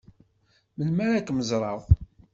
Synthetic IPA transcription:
məlmæɾækːməzɾˤɑðˤ

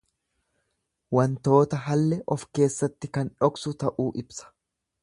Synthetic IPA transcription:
wɐnt̪o̞ːt̪ɐɦɐlːɛʔɔfke̞ːsːɐt̪ːɪkɐnᶑɔksʊt̪ɐʔuːʔɪbsɐ̥

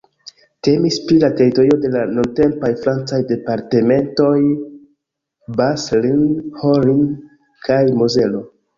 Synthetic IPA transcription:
te̞mispɾilate̞ɾito̞ɾio̞de̞lanunte̞mpajfɾant͡sajde̞paɾte̞me̞nto̞j | baslinhoɾin | kʰajmoze̞lo̞

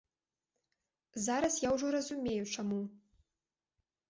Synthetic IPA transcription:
zaɾɐsjawʐɔrɐzumʲejut͡ʂamu

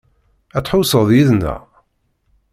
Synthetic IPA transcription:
æt̪ːħusəðˤjiðnæ̰

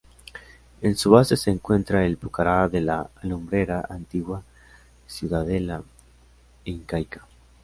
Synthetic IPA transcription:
e̞nsuβase̞seːŋkwe̞nt̪ɾaelpukaɾaðe̞laːlumbɾe̞ɾaant̪iɣwa | sjuðaðela | iŋkajkḁ

